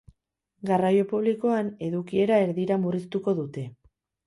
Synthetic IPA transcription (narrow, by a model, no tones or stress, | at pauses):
ɡarajo̞puβ̞liko̞ane̞ðukie̞ɾae̞ɾðiɾamurist̪uko̞ðut̪e̞